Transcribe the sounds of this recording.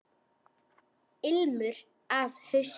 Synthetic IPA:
ɪlmʏɾ | avhœɥs

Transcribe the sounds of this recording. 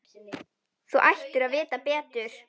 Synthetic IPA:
θuʔajht̪ʏɾaðvɪːt̪apɛːt̪ʏɾ̥

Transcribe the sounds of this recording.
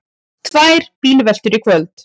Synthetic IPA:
t̪ʰvaːjɾ̥piːlvɛl̥t̪ʏɾikʰvœlt̪

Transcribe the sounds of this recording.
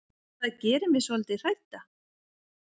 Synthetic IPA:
θaðcɛːɾʏmɛsvɔlt̪ɪr̥ajt̪a

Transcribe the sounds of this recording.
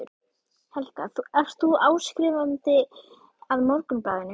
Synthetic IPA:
ʏɾ | hɛlt̪aθuɛfst̪θuaːwskɾiːvant̪ɪ | aðmɔɾkʏnpaːɣɪnːɪ

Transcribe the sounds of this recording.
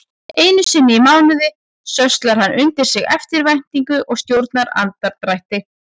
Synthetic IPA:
eːjnʏsɪnːɪimaːwnʏðɪ | sœst̪laɾ̥hanːʔʏnt̪ɪɾ̥sɪɣɛft̪ɪɾvajn̥t̪iŋkʏʔɔɣst̪jowɾt̪naɾa̰nt̪aɾt̪ɾajht̪ɪ

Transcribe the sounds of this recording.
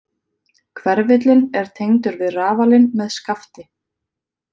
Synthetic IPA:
kʰvɛɾvɪt̪̬lɪnɛɾ̥t̪ʰejŋt̪ʏɾvɪðraːvalɪnmɛðskaft̪ɪ

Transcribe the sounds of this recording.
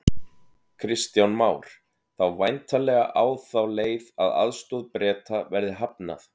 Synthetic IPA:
kʰɾɪst̪jawnmaːwɾ̥ | θawvajnt̪alɛɣaʔaːwθawleːjvaða̰ðst̪ɔðpɾɛːt̪avɛɾðɪɦapna̰θ

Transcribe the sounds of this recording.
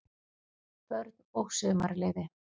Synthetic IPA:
θœɾðoɣsʏma̰ɾlɛðɪ

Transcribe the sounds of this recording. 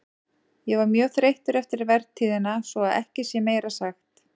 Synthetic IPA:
jɛvaɾmjœːθɾejht̪ʏɾɛft̪ɪɾvɛɾðt̪ʰiːðɪnasɔaðɛ̰hcɪsjɛmeːjɾasaxt̪

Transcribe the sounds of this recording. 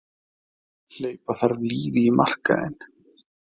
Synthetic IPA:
l̥eːjpaθaɾvliːvɪimʔa̰r̥ka̰ðɪ̰n

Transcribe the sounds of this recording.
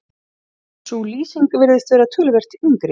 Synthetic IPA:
suliːsiŋkvɪɾðɪst̪vɛːɾat̪ʰʏːlɪvɛr̥t̪int̪ɾɪ

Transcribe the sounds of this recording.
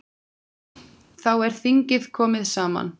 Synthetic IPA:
θawɛɾ̥θiɲcɪðkʰɔːmɪðsaːma̰n

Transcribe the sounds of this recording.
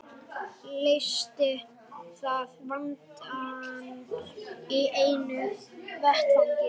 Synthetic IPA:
lejst̪ɪ | θaðvant̪ | iʔeːjnʏvɛht̪alcɪ

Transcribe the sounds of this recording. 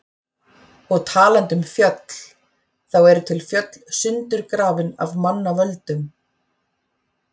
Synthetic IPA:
ɔɣt̪ʰaːlant̪ʏmfjœt̪l̥ | θawɛɾʏt̪ʰɪlfjœt̪lsʏnt̪ʏɾkɾaːvɪna̰vmanːavœlt̪ʏm

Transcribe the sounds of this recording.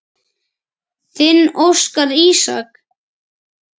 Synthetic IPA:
θɪnːowskaðiːsa̰k

